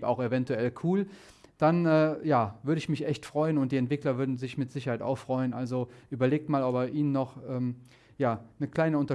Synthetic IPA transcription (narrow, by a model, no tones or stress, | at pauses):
pa̰ʊxevɛntuɛlkʰuːl | d̥anɛːjaːvʏɐɾəɪçmɪçʔɛçtfʁ̥ɔʏənʊntd̥iːɛntv̥ɪklɐvʏɐdn̩zɪçmɪtz̥ɪçɐhaɪta̰ʊxfʁ̥ɔʏənʔalzoʔyːbɐleːk̚tmaːlɔpɛːɐʔiːnənːɔχʔɛːm | jaːnəkl̥aɪnəʊntɐ